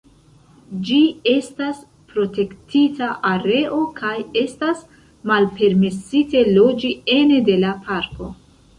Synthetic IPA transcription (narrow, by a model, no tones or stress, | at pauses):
d͡ʒie̞stas | pɾo̞te̞ktʰitaʔaɾe̞ʔo̞kʰaje̞stas | malpe̞ɾme̞site̞lo̞d͡ʒie̞ne̞de̞lapʰaɾko̞